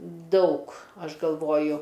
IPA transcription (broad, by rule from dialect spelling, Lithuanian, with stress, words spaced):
ˈdɐʊk ˈɐʃ ɡɐlˠˈʋoːjʊ